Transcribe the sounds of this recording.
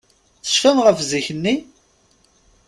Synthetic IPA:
θə̥ʃfænʁəfziçənːi

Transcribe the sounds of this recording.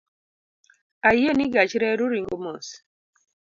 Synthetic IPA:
ajeniɡat͡ʃɾɛɾuɾiŋɡomos

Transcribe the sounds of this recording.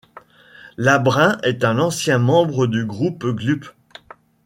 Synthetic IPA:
labʁɛ̃ʔɛt̪ɛ̃nɑ̃sjɛ̃mɑ̃bʁəd̪yɡʁupɡlyp

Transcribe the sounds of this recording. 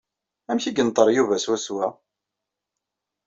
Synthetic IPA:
æmçiɡənt̪ˤəɾˤjuvæswæswæ

